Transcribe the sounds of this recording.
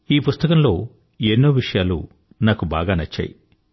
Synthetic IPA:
iːpust̪ɐkɐmlo̞ː | enːoːʋiʂɐjaːlṵ | naːkuba̰ːɡaːnɐt͡ʃːa̰ːji

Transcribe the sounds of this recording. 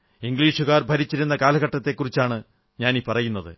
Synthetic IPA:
iŋɡliːʂuɣaːrbʱɐɾit͡ɕːiɾunːɐkaːlɐɣɐʈːɐt̪ːe̞kːurit͡ɕːaːɳɨ | ɲaːnipːɐrɐjunːɐðɨ̰

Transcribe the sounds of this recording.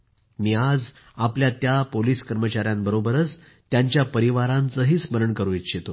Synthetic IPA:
miːad͡z | apljat̪japoliːskəɾmət͡ɕaɾjambəɾobəɾət͡s | t̪jaɲt͡ɕjapəɾiʋaɾãnt͡səɦiːt͡sməɾəɳkəɾũjit͡sɕet̪o

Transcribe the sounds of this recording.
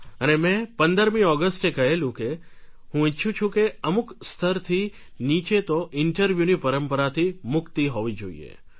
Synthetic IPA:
ənemɛ̃pənd̪əɾmĩɔɡəsʈekəɦelũkeɦũɪtːʃʰũt͡ʃʰũkeəmukst̪ʰəɾt̪ʰi | nit͡ʃet̪oʔɪɳʈəɾʋjunipəɾəmpəɾat̪ʰimʊkt̪iɦoʋid͡ʒo̰ḭḛ

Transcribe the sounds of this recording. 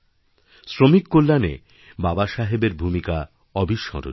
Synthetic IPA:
sɾomikːolːanḛ | babaʃaɦebeɾbʱumika | ɔbiʃɔ̰ɾo̰

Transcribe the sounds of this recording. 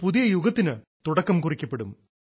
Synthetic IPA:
puðijɐjuɣɐt̪ːinɨ | t̪uɽɐkːɐmkurikʲːɐpːeɽum

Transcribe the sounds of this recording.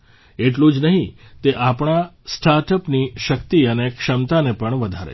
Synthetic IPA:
eʈlũːd͡ʒnəɦĩt̪eʔapɳ̃asʈaɾʈəpniʃəkt̪iənekʂəmt̪anepəɳʋəd̪ʱaɾḛ

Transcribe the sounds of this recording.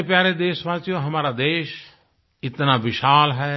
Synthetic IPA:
pjaːɾed̪eːʃʋãːt͡ʃjõɦɐmaːɾad̪eːʃ | ɪt̪naʋɪʃaːlɦɛː

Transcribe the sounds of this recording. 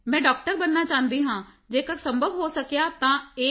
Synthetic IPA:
mɛ̃ːɖɔːk̚ʈəɾbənːaːt͡ʃãːənd̪iːɦãː | d͡ʒeːkəɾsəmbʱəʋɦoːsəkjaːt̪ãːeː

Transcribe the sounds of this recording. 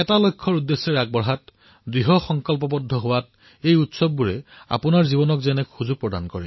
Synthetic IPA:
ɛtalojkʰːɔɹudːesːɛɹaɡ̚bɔɹɦat | dɹiɦɔxɔŋkɔlp̬ɔpɔdʱːɔɦʊwat̚ | ejutsɔb̚ɡuɹɛa̰pʊnaɹzibɔnɔkzɛnɛkxuzuɡ̚pɹɔdankɔɹɛ̰

